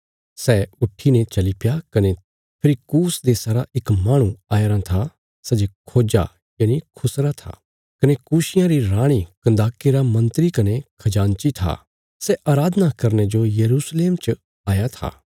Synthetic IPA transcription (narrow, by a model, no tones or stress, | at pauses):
sɛːʊʈʰːinẽt͡ʃɐlipjakɐne | pʰɪɾikuːsd̪eːsaɾaɪkmaːɽ̃ũaːjɾãt̪ʰa | sɛd͡ʒekʰoːd͡ʒa̰ | jaːñikʰʊsɾat̪ʰa̰ː | kɐnekuːʃɪjãɾiɾãːɽ̃ikɐ̃nd̪aːkeɾamɐ̃nt̪ɾikɐnekʰɐd͡ʒãːnt͡ʃit̪ʰa̰ | sɛʔaːɾaːd̪ənakɐɾned͡ʒoːjɐɾuːsleːmt͡ʃ | aːjat̪ʰa̰ː